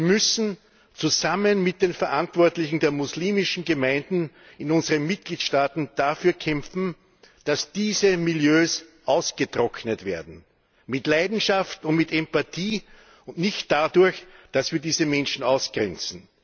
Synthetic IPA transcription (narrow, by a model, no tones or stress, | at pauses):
iːɐmʏsn̩ | t͡suzamənmɪt̚d̥eːnfɛɐʔãntv̥ɔɐtlɪçn̩deːɐmusliːmɪʃn̩ɡəmæ̃ɪndn̩ | ɪnʊnzəʁənmɪt̚ɡ̥liːtʃtaːtn̩d̥afyːɐkʰɛmfn̩ | d̥asd̥iːzəmɪljøːsʔɑʊsɡ̥ətʁɔknətv̥eːɐdn̩ | mɪtlaɪdn̩ʃaftʊntmɪtɛmpatʰiː | ʊntnɪçtd̥adʊɐçd̥asv̥iːɐdiːzəmɛnʃn̩ɑʊsɡ̥ʁɛ̰nt͡sn̩